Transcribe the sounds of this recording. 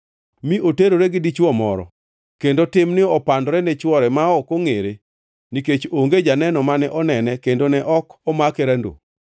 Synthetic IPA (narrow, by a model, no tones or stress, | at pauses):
miʔoteɾoɾeɡɪdit͡ʃɔmɔ̰ɾɔ̰ | kendotɪmnɪɔpandɔɾɛnɛt͡ʃwɔɾɛmaɔkoŋeɾe | niket͡ʃoŋɡed͡ʒanɛnɔmanɛʔɔnɛnɛkendonɛʔɔkɔmakɛɾɛndo̰